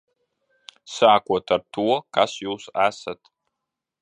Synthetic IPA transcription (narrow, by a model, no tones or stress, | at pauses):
saːkʷɔtʰartʰuɔkasjuwsasatʰ